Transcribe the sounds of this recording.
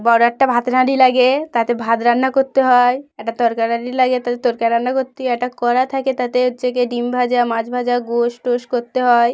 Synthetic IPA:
bɔɾoɛk̚ʈabʱat̪ɾaɽilaɡet̪at̪ebʱad̪ɾanːakoɾt̪ːeɦɔeɛk̚ʈat̪ɔɾkaɾnaɽilaɡet̪at̪et̪oɾkaɾanːakoɾt̪ːeɛk̚ʈakɔɾat̪ʰaket̪at̪eoʃekeɖimbʱad͡ʑamãd͡ʑbʱad͡ʑaɡoʃʈoʃkoɾt̪eɦɔe

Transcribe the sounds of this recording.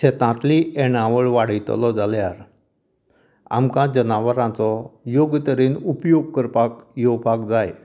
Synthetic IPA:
ɕet̪ãt̪lieɽ̃ãʋəɭʋaɽ̤əjt̪lɔd͡zaljaɾ | a̰mkãd͡ʑənaʋəɾãt͡sɔjoɡt̪əɾiːnupjoɡ̚kəɾpakjɔpakd͡zaj

